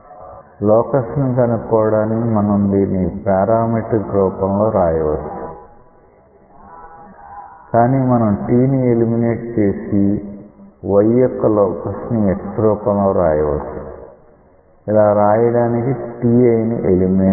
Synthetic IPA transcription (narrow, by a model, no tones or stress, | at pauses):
lɔːkɐsnikɐnukɔːɐɽaːnikimɐnɐmd̪iːnːipaːɾaːmiʈɡɾɔːpɐmlo̞ːɾaːjɐʋɐt͡ʃːu̥ | kaːniːmɐnɐmʈiːnielimineːʈt͡ʃe̞ːsi | ʋɐjjɔkːɐlɔːkɐsniektɾuːpɐmlo̞ːɾa̰ːjɐʋɐt͡ʃːu | ilaːɾaːjɐɽaːnikiʈiːɐjnḭʔelimineː